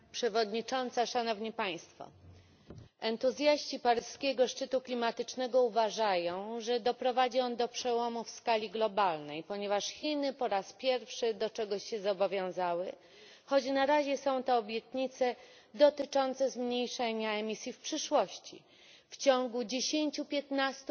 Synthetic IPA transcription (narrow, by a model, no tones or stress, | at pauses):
pʂɛvɔd̪ɲit͡ʂɔnt̪saʂanɔvɲipaj̃st̪fɔ̰ | ɛnt̪uzʲjaɕt͡ɕipaɾɘʂskʲɛɡɔʂt͡ʂɘt̪uklʲimat̪ɘt͡ʂnɛɡɔuvaʐajɔ̃w̃ʐɛd̪ɔpɾɔvad͡ʑiɔnd̪ɔpʂɛwɔmufskalʲiɡlɔbalnɛjpɔɲɛvaʂxʲinɘpɔɾaspʲjɛɾfʂɘd̪ɔt͡ʂɛɡɔɕːɛzɔbɔvʲjɔ̃w̃zawɘ | xɔd͡ʑnaɾaʑɛsɔ̃w̃t̪ɛːbʲjɛt̪ɲit̪sɛ | d̪ɔt̪ɘt͡ʂɔnt̪sɛzmɲejʂɛɲaɛmʲisʲjifpʂɘʂwɔɕt͡ɕḭ | ft͡ɕɔŋɡud͡ʑeɕeɲt͡ɕupʲjɛt̪nast̪